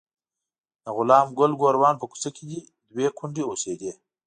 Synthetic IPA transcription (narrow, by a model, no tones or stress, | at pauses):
d̪̥əɣʊlɑːmɡʊlɡoɾwɑːnpəku̥sɐkid̪i | d̪wekʰʊɳɖeosed̪eː